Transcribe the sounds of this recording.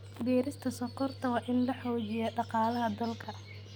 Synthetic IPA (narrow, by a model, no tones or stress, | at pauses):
bɛːɾɪst̪ʰɐsɔqɔrt̪ʰɐwɑːʔɪnlɐħɔːd͡ʒɪjɐɖɑqɑːlɐɦɐd̪ɐlkʰɐ